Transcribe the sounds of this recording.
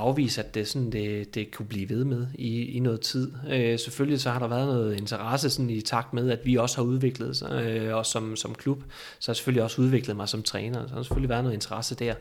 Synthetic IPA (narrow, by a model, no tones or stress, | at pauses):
ɑ̈ʊʋḭːsæd̥e̝sɒ̽nnd̥e̝d̥e̝kʰub̥liːʋe̝ð̞ˠmeð̞ˠiinɔ̽ːð̩ˠt͡sʰið̞̰ˠøseføllisɒ̽hɑ̈ɾɑ̈ʋæːɐð̩ˠnɔ̽ːð̩ˠe̝nt͡sʰɐʁɑsəsɒ̽nit͡sʰɑ̈ɡ̥̚d̥með̞ˠæd̥ʋiɒ̽səhɑ̈uð̞ˠʋe̝ɡ̥ləð̞̩ˠɒ̽sɒ̽msɒ̽mkʰlub̥ | sɒhɑ̈se̥føliɒ̽suðˠʋe̝ɡ̥ləð̩ˠmɑ̈ɪsɒ̽mt͡sʰʁɛːnɐsɒhɑ̈ɾɑse̥føliʋæɐðˠno̽ːent͡sʰɐʁɑsəd̥æɐ̰